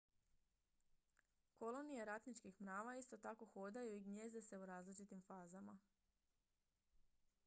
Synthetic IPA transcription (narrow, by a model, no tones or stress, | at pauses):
ko̞lo̞nije̞ɾat̪nit͡ʃkixmɾaːʋaist̪o̞t̪ako̞xoːd̪ajuiɡɲe̞ːze̞se̞uɾaːzlit͡ʃit̪imfaːzama